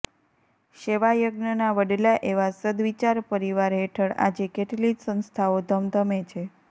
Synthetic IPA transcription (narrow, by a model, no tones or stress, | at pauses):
ʃeʋajəɡnənaʋəɖlaʔeʋasəd̪ʋit͡ʃaɾpəɾiʋaɾɦeʈʰəɭa̰d͡ʒekeʈlit̪sə̃nst̪ʰaod̪ʱəmd̪ʱəmet͡ʃʰe